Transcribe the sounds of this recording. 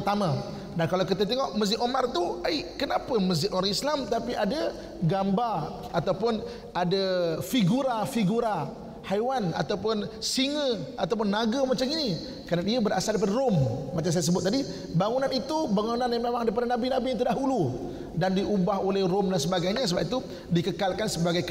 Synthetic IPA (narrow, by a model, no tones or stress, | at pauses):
pərt̪ama | dankalawkit̪̬ət̪̬eŋɔʔməzɪt̪omart̪uəjkənapəməzɪʔ̪ʔomaɾislamt̪apiʔada | ɡambar | at̪awpʊn | ʔadafiɡuɾafiɡuɾa | hajwana̰t̪awpʊnsiŋəat̪awp̬ʊnːaɡamat͡ʃamini | kɾanaiabəɾa̰saldajpadaɾʊmmat͡ʃams̬ajasəbʊt̪̚ːadi | baŋunãnit̪ubaŋunanjamemaŋdajpadanãbinãbijaŋt̪ərdaɦulu | dandiʔubaɦolɛhrʊmdansəbaɡajɲasəbap̚it̪u | dikəkalkansəbaɡajk